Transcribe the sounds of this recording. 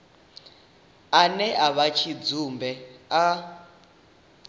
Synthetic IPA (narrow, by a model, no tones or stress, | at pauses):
anɛʔaβat͡ʃʰid͡zumbɛa